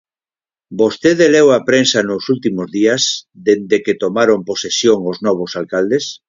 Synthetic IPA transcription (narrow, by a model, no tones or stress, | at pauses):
bost̪eðelewapɾensanosult̪imozðiazd̪end̪eket̪omaɾomposesjoŋoznɔβ̞osalkald̪es